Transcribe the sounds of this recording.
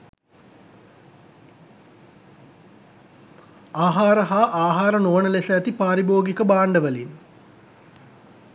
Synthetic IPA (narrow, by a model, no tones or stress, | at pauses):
aːɦaːɾəɦaːʔaːɦaːɾənoːnəlesɐːt̪ipaːɾiboːɡikəbaːɳɖəʋəlin